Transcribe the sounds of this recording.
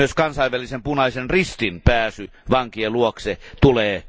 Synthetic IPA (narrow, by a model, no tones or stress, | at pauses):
øskɑnsɑˑiʋʋælisempunɑˑisenrist̪inpæːsy | ʋɑŋkieluokset̪uleː